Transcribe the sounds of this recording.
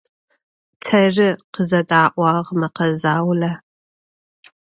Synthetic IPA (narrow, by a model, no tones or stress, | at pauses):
tʰɐrɪqəzɐdʼaːʔʷɑʁmɐqɐzaːwlɐ